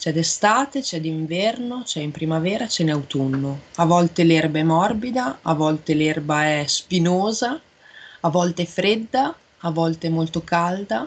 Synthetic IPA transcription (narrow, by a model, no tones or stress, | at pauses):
t͡ʃɛd̪est̪aːt̪et͡ʃɛd̪iɱvɛrnot͡ʃɛimpɾimavɛːɾat͡ʃɛnawt̪unːoavɔlt̪elɛrbaɛmɔrbid̪aavɔlt̪elɛrbaɛspinoːza | avɔlt̪eɛfɾed̪ːaː | vɔlt̪eɛmːolt̪okald̪a